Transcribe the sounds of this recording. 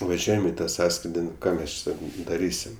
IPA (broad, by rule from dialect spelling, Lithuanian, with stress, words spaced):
ʋɐˈʒʲuɔjɛm ɪ tɐ ˈsɑːskrʲɪdʲɪ nʊ ˈkɑː ˈmʲɛs ˈt͡ʃʲɛ ˈsɑːkɐʊ dɐˈrʲiːsʲɪm